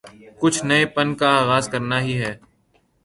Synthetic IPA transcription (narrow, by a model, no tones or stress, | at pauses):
kʊt͡ʃʰnɐepɐnkaaːɣaːzkɐɾnaɦiɦɛː